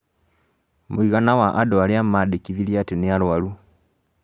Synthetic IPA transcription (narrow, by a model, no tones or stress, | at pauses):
moiɣanawaʔadɔaɾeamaːdekiðiɾiateneaɾwaɾu